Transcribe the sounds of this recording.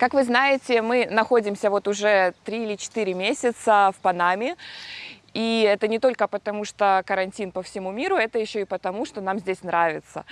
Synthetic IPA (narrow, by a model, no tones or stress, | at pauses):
kakvɨznajɪtʲɪmɨnɐxo̞dʲɪmsʲəvo̞t̪ʊʐɛt̪ɾʲiilʲɪt͡ɕɪ̥t̪ɨɾʲɪmʲesʲɪt̪səfpɐnamʲɪ | iɛt̪ənʲɪt̪o̞lʲkəpət̪ɐmuʂt̪okəɾɐnʲtʲinpəfsʲɪmumʲiɾʊɛt̪əjɪɕːoɪpət̪ɐmuʂt̪o̞namzʲdʲesʲnɾavʲɪt̪sə̰